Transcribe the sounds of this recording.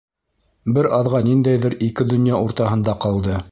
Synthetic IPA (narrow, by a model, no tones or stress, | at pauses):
bɘɾɑðʁɑnind̪æjðɘɾikɘd̪ɵ̆njɑʔuɾt̪ɑɦɤ̆nd̪ɑqɑlˠd̪ɤ